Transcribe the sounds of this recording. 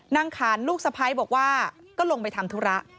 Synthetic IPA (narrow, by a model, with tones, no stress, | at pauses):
na˧ŋkʰaː˩˦nluː˥˩k̚sa˧pʰa˧jbɔː˨˩k̚waː˥˩ | kɔː˥˩lo˧ŋpa˧jt̪ʰa˧mt̪ʰu˦˥ɾa˦˥ʔ